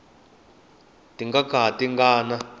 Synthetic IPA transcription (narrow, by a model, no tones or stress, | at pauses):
tiŋɡakaɦatiŋɡaːna